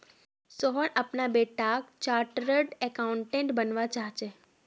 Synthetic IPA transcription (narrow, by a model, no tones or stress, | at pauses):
sɔɦɔnʔapnabeʈakt͡ʃaʈɾəɖɛkauɳʈẽɳʈbənʋat͡ʃaɦt͡ʃe